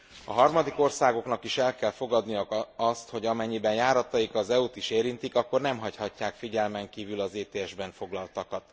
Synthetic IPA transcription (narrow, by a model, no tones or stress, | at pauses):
ɒ̰ɦɒrmɒd̪iko̞rsaːɡo̞knɒkiʃɛlkɛlfo̞ɡɒd̪nijɒkɒst̪ho̞ɟɒmɛɲːibɛnjaːɾɒt̪ɒjikɒzɛut̪iʃeːɾint̪ikɒkːo̞rnɛmɦɒchɒcːaːkfiɟɛlmɛŋkiːvylɒzeːt̪eːɛʒbɛɱfo̞ɡlɒlt̪ɒkɒt̪